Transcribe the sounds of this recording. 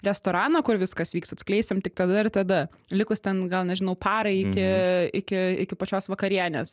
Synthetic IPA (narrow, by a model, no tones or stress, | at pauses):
ɾʲɛst̪oːɾɑːnɐkʊɾʋʲɪskɐsʋʲiːksɐt̪ʲsʲklʲɛɪsʲɪmt̪ʲɪkt̪ɐd̪ɐɪrt̪ɐd̪ɐ | lʲɪkʊst̪ʲɛnɡɐlˠnʲɛʒʲɪnɐʊpɑːɾɐɪɪkʲɪɪkʲɪɪkʲɪpɐt͡ʃʲoːsʋɐkɐɾʲiɛnʲeːs